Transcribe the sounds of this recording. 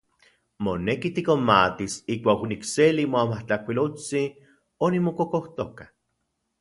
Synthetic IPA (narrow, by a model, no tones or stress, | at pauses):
monekit̪ikomat̪isikʷaːknikselimoamaht͡ɬahkʷilot͡si | onimokokoht̪okḁ